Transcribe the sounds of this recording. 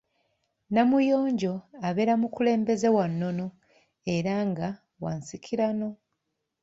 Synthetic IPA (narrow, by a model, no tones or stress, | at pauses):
namujo̞ːɲɟo̞aβe̞ɾamukule̞ːmbe̞ze̞wanːo̞no̞ | e̞ɾaŋɡa | wa̰ːnsikʰiɾano̞